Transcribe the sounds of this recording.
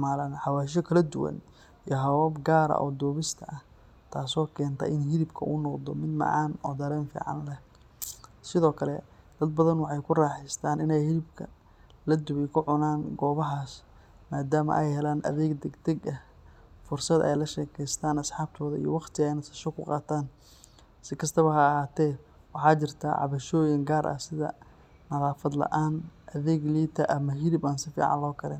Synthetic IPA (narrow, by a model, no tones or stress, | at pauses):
maːlaːnħɑwaːʃ̬ɔkʰɐlɐd̪ʊwɐ̰n | ijɦɐwɔːbɡaːɾɐ̰ʔɔːd̪ɔːβɪst̪ʰɐɐh | t̪ʰaːsɔːkʰɛːnt̪ʰɐ̰ʔɪnɦɪlɪbkʰɐuːnɔqd̪ɔmɪd̪mɑ̰ʕɑ̰ːnɔːd̪ɐɾɛːnfḭːʕɑ̰nlɛh | sɪðɔːkʰɐlɛ̰d̪̥ɐd̪̚bɐðɐnwɑħɑjkʰʊraːħɪst̪ʰaːnɪnɛjhɪlɪbkʰɐ | lɐd̪ʊwɛjkʰʊʕʊnaːnɡɔːβɐɦaːs | maːd̪aːmɐ̰ʔɛjɦɛlaːnʔɐ̰ðɛːɡd̪ɛɡd̪ɛɡɐ | fʊrsɐd̪ɛ̰jlɐʃɛːkʰɛjst̪ʰaːnɐsħɑːb̚t̪ʰɔːðɐḭjɔ̰wɑχt̪ʰɪɣaɪnɐsɐ̥ʃɔkʰʊqɑːt̪ʰaːn | sɪkʰɐst̪ʰɐβɐɦɐːhaːt̪ʰɛːwɑħɑːt͡ʃɪrt̪ʰa̰ːʕɑ̰βɐʃɔːjɪŋɡaːɾʔɐ̰sɪðɐ̰ | nɐðaːfɐd̪lɐ̰ʔaːnʔɐðɛːɡliːt̪ʰɐʔɐmɐɦɪlɪbaːnsɪfḭːʕɑ̰nlɔːkʰɐlɛ̰ːn